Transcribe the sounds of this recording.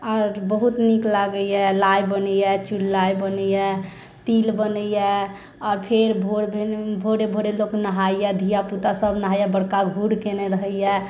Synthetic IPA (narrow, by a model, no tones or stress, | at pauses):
ɔːɾbəɦut̪niklaɡəijɛlajbənəjɛt͡ʃulːajbənəjɛ | t̪ilbənəjɛ | ɔːɾpʰeɾbʱoɽbʱebʱoɽebʱoɽeloknəɦajjɛd̪ʱijaput̪asəbʱnəɦajɛbəɽkaɡʱuɽkeneɾəɦəijɛ